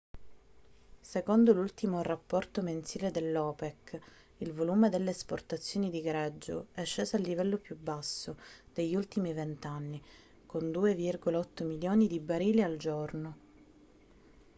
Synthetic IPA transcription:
sekond̪olult̪imorapːɔrt̪omensiːled̪elːɔːpɛk | ilvoluːmed̪elːeːsport̪at̪sːjoːnid̪iɡaɾad͡ʒːo̰ɛʃːeːsoalːivɛlːopjubːasːod̪̥eʎːult̪imivent̪anːi | kond̪uːevirɡolaɔt̪ːomiljoːnid̪ibaɾiːliald͡ʒorno

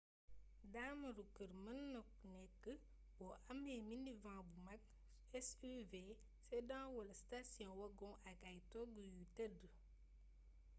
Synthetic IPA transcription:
daːmɐɾukːəɾmənːɔk̚nɛkːə | wɔʔɐmɛmindivãːbumak̚ | ɛsyve | sɛdãːwɔlstasjɔ̃wɐɡɔ̃ŋʔaɡajtɔɡujutɐdə

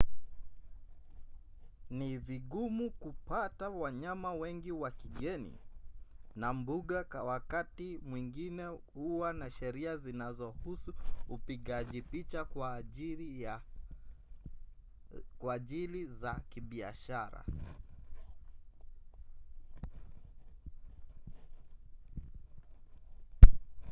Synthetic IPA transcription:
niviɠumukupatawaɲamawɛŋɡiwakiɠɛnḭ | nambuɠakawakatimwiŋɡinɛhuwanaʃɛɾiazinazɔhusuːpiɠaʄipit͡ʃakwa | kwaːʄilizakiɓia̰ʃaɾa̰

